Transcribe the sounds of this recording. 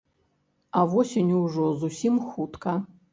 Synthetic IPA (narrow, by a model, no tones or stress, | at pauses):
ɐvɔsʲenʲwʐɔzusʲimxut̪kɐ